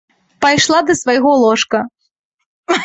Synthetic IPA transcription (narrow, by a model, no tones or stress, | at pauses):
pajʂlˠad̪ɐsvajɣɔlˠɔʂkɐ